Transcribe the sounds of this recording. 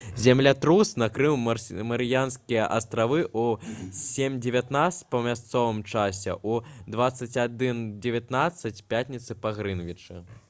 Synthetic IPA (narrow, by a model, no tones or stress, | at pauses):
zʲamlʲat̪ɾusnakɾɨwmɐɾɨjanskʲijɐʔɐst̪ɾavɨʔusʲemʲd͡zʲevʲat̪naspɐmʲast̪sɔvɨmt͡ʂasʲɛ̰ʔud̪vat̪sːɐt͡sʲad̪ɨnd͡zʲɛvʲat̪nat̪sːɐt͡sʲpʲat̪ʲnʲit̪sɨpaɣɾɨnvʲit͡ʂɨ